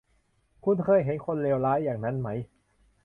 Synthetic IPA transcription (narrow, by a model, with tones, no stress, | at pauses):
kʰu˧˩nkʰɤː˧˩jɦe˩˦nkʰo˧nleː˧wlaː˦˥jːaː˨˩ŋna˦˥nma˦˥j